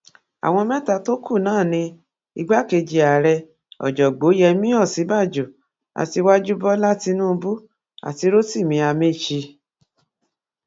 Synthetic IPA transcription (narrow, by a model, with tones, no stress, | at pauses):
a̰˨w̃ɔ̃˧mɛ̃˦ta˧to˦ku˦˨nãː˦˨nĩ˧ | i˧ɡ͡ba˦ke˧d͡ʒi˧a˨ɾɛ˧ | ɔ̰˨d͡ʒɔ˨ɡ͡bo˨˦jɛ˧mĩ˦ɔ˦˨si˨˦ba˦˨d͡ʒo˨ | a̰˨ti˧wa˦d͡ʒu˦bɔ˦la˦ti˧nũ˦˧bu˦ | a̰˨ti˧ɾo˦ti˦˨mĩ˧a˧me˦˨t͡ʃi˧